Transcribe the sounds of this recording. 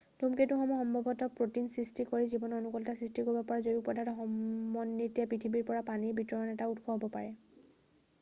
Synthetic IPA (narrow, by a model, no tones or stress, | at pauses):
tumketuxɔmɔxɔmbʱɔbʱɔtɔpɹotinsɹistikoɹizibɔnɔnukɔltasɹistikoɹibɔpɔɹazoɹipɔdʱatɔxɔmːɔnːitijapɹitʰibiɹpɔɹapaniɹbitɹɔɔnɛtautxʰɔɦɔbɔpaɹɛ